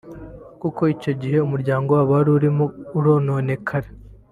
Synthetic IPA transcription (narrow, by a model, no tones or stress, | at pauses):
kuko̞ico̞ɟihe̞umuɾɟaːŋɡowaːβoaɾuɾimouɾo̞ːnoːne̞kʰaɾe